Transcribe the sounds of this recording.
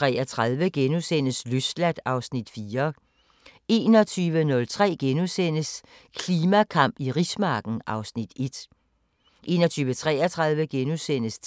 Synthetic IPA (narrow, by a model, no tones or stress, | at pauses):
ʁɛ̰ːɐt͡sʰʁɑðˠʋəɡ̥enusen̰əsløslæd̥ɑ̈ʊsnid̥fiːɐ | e̝̰ːnɒ̽t͡sʰyːʋənɔ̽lt͡sʰʁɛ̰ːɡ̥enusen̰əs | kʰliːmækʰɑ̈m̰b̥iʁismɑ̈ːɡ̥n̩ʔɑ̈ʊsnid̥e̝d̥ | ʔe̝̰ːnɐt͡sʰyːʋət͡sʰʁɛ̰ːɐt͡sʰʁɑ̈ð̞ˠʋəɡ̥enusen̰əs